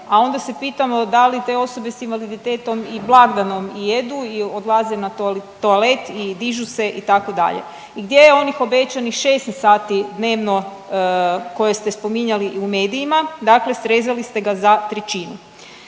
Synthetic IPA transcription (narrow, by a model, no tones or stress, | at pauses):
ao̞nd̪ase̞piːt̪amo̞d̪alit̪e̞o̞so̞be̞sinʋalid̪it̪e̞ːt̪o̞miblˠaɡd̪ano̞mije̞d̪uio̞d̪lˠaze̞nat̪olt̪ːoale̞t̪id̪iʒuse̞ʔit̪ako̞d̪a̰ʎḛ | iɡd̪ʲje̞jeo̞nixo̞be̞t͡ɕanixʃe̞ːst̪nsaːt̪id̪ne̞ːʋno̞ | ko̞jest̪espo̞miɲaliʔiume̞ːd̪ijimad̪akle̞sɾeːzalist̪e̞ɡazat̪ɾet͡ɕiːnu